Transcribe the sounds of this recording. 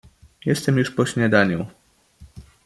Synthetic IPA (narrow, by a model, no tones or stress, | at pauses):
jɛst̪ɛmjuʂpɔɕɲad̪aɲu